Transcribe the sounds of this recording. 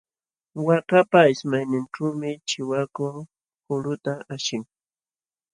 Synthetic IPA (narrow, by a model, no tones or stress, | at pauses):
wakapaɪsmajnɪnʈ͡ʂuːmɪt͡ʃɪwako | kʊɾʊt̪aaʃɪŋ